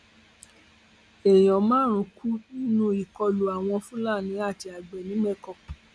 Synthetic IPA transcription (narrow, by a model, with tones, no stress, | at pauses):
ɛ˨j̃ɔ̃˨mãː˨˦ɾ̃ũ˨˧ku˦nũ˧i˨kɔ˧lu˨a˨w̃ɔ̃˧fũ˦laː˦˨nĩ˨˧˦a˦˨ti˧a˨ɡ͡bɛ˨nĩ˨˦mɛ˦kɔ˧˨